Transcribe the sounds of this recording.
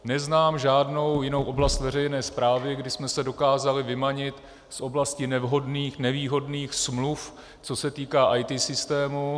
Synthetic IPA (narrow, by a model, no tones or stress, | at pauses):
nɛznaːmʒaːdno̞wjɪno̞wʔo̞blast̪vɛrɛjnɛːspɾaːvɪɡdɪsmɛsɛdo̞kaːzalɪvɪmaɲɪt̪ | sʔo̞blascɪnɛvɦo̞dniːxnɛviːɦo̞dniːxsmluf | t͡so̞sɛt̪iːkaːʔajt̪isɪst̪ɛːmu